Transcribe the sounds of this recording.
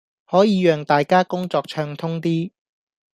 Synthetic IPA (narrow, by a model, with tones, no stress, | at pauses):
hɔː˨˥jiː˨˧jœː˨˩ŋt̪aː˨jkaː˥kʊ˥ŋt͡sɔː˧k̚t͡ʃʰœː˧ŋt̪ʰʊ˥ŋt̪iː˥